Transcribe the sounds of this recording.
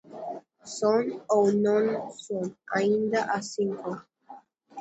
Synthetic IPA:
sononõnsonaind̪aʔasiŋko

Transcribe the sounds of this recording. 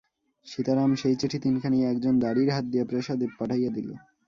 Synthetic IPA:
ʃit̪aɾamʃejt͡ɕiʈʰit̪inkʰanijeɛk̚d͡ʑond̪aɽiɾɦat̪̚d̪iepɾeʃad̪ebpaʈʰajed̪ilo̰

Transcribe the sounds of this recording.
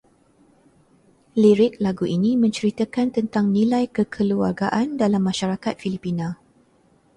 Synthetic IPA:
liɾɪk̚laɡuʔinĩmə̃ɲt͡ʃəɾit̪əkant̪ənt̪aŋnĩlajkəkʰəluarɡaʔandalamːãʃaɾakat̪̚filipinã

